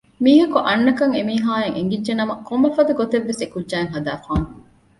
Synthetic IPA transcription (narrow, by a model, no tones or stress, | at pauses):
miːɦɐkuʔɐnːɐkɐŋemiːɦaːjɐŋʔeŋɡidːʒenɐmɐkombɐfɐd̪uɡot̪eʋːesekudːaːeŋɦɐd̪aːfaːnu